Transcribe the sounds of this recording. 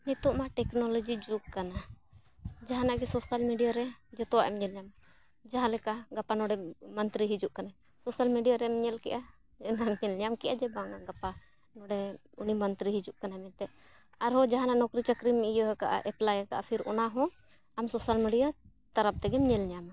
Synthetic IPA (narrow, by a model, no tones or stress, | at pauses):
nɛt̪ɔʔmaʈɛknɔlɔd͡ʒid͡ʒuk̚kana | d͡ʒaɦanaʔɡɛsɔsalmiɖijaɾɛd͡ʒɛt̪ɔwaʔɛmɲɛlɲama | d͡ʒaɦãlɛkaɡapanɔɖɛmənt̪ɾiɦid͡ʒuʔkana | sɔsalmiɖijaɾɛmɲɛlkɛ̰ʔa | ɛnamɲɛlɲamkɛʔad͡ʒɛbaŋaɡapa | nɔɖɛ | unimənt̪ɾiɦid͡ʒuʔkanamɛt̪ɛʔ | aɾɦɔ̃d͡ʒaɦanaʔnɔkɾit͡ʃəkɾimijɔɦɛka̰ʔa̰ʔɛplajɛka̰ʔapʰiɾɔ̰naɦɔ̃ | amsɔsalmiɖija | t̪aɾap̚t̪ɛɡɛmɲɛlɲama